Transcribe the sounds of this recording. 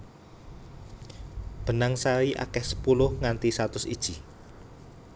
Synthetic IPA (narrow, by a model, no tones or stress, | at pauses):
b̥ə̤naŋsaɾiʔa̰kɛhsə̥pulʊhŋant̪isat̪ʊsḭd̥ʒ̥i